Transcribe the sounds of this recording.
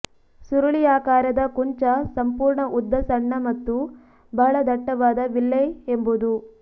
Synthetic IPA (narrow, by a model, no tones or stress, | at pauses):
suɾɐɭijaːkaːɾɐd̪ɐkuɲt͡ʃɐsɐmpuːɾɳɐʔud̪ʱːɐsɐɳːɐmɐt̪ːu | bɐɦɐɭɐd̪ɐʈːɐʋaːd̪ɐʋilːeembud̪u